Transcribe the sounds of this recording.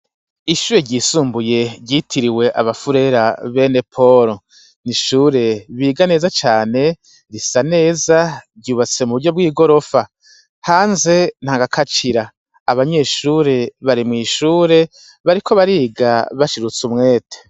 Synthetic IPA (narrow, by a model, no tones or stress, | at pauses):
iʃuːɾeɟiːsuːmbuje̞ɟiːtʰiɾiwe̞ʔa̰βafuɾe̞ɾaβe̞ne̞pʰo̞ɾo | niʃuːɾe̞βiːɡane̞ːzat͡ʃaːne̞ | ɾisane̞ːzaɟuːβat͡se̞muβuɾɟo̞bɡwiːɡo̞ɾo̞fa | haːnze̞n̥haːŋɡakʰat͡ʃiɾaː | βaɲe̞ʃuːɾe̞βaɾimŋiːʃuːɾe̞ | βaɾikʰo̞βaɾiːɡaβaʃiɾut͡sumŋe̞ːtʰe̥